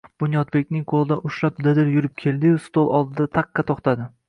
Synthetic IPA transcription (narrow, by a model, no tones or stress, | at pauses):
b̥ʊnjɒd̪̚bekʲnɪŋqʰolˠɪd̪aʔʊʃlapd̪ad̪ɪɾjʊɾɪp̚kʲʰe̞lˠd̪ɪjʊst̪olˠʔɒlˠd̪ɪd̪at̪ʰɑqʰːɑt̪ʰɒχt̪ʰad̪ɪ